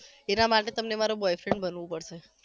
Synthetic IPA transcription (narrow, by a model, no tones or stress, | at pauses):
enamaʈet̪əmnemaɾobɔjfɾeɳɖbənʋũpəɽʃe